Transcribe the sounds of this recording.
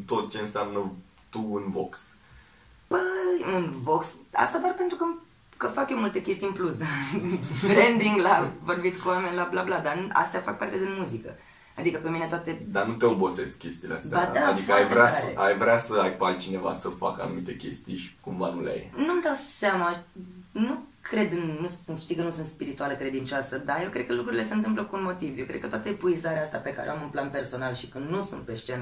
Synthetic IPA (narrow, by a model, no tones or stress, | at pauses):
t̪o̞t̪̚t͡ʃe̞ɨnsamnə | t̪uunvo̰ks | bəɨnvo̞ksa̰st̪ad̪arpent̪ɾukə | kəfakjomult̪e̞kʲe̞st̪iɨnmplusd̪a | ɾend̪iŋɡlavo̞rbit̪kuwame̞nʲlablablad̪aa̰st̪eafak̚part̪ed̪inmuzikə | ad̪ikəpe̞mine̞t̪oat̪e̞d̪anut̪e̞obo̞se̞skʲe̞st̪iːlea̰st̪ead̪ad̪ikəajvɾaaeajvɾeasəajpalt̪t͡ʃine̞va̰səfa̰ka̰numit̪e̞kʲe̞̰st̪ḭjʃi̥kumvanulea̰jnumd̪awseamanukʰɾe̞d̪ɨnːusɨnʃt̪ijkənusunt̪spiɾit̪ualekɾe̞d̪int͡ʃoasəd̪aje̞wkɾe̞d̪̥̚kəlukɾuɾile̞se̞ɨnt̪ɨmp̬ləkuunmo̞t̪ivjewkɾed̪kət̪at̪epuizaɾeaast̪ape̞kaɾeo̰amɨnplanpe̞rso̞nalʃi̥kɨnnusunt̪̚peʃt͡ʃen